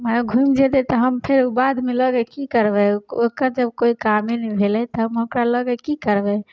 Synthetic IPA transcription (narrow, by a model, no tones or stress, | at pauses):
maɡʱumd͡ʒed̪ɛt̪ɔɦəmpʰeɾubad̪meləɡɛkikəɾbɛokəɾd͡ʒəb̚koikamenɛbʱelɛt̪ɔɦəmɦokɾaləɡɛkikəɾbɛ